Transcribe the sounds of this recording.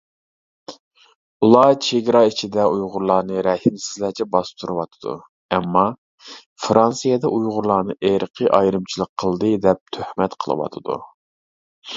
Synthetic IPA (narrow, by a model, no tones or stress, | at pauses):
ulˠɑt͡ʃʰeɡʲɾɑit͡ʃʰid̪ɛujʁʊɾlˠɑːnɨɾɛhimsɪzlæt͡ʃʰɛbɑst̪ʰuɾɨwɑt̪ʰɨ̥d̪ṵ | ɛmːɑ | fɾɑnsijed̪ɛʔujʁʊɾlˠɑːnɨʔeɾəqʰəʔɑjɾɨmt͡ʃʰilˠəqʰːəlˠd̪ɨd̪ɛp̚t̪ʰøhmɛt̪qʰəlˠɨ̰wɑ̰t̪ʰɨd̪ṵ